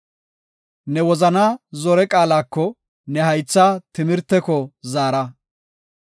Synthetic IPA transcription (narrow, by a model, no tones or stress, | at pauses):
nɛwɔzɐnaːzɔɾɛkʼaːlaːkːɔ | nɛɦɐjt͡sːaːt̪ɪmɪɾt̪ːɛkɔzaːɾɐ